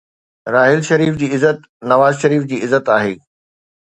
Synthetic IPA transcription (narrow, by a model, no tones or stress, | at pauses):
ɾaːɦɪlʃɐɾiːfd͡ʑiːɪzət̪ | nɐʋaːzʃɐɾiːfd͡ʑiːɪzət̪aːɦeː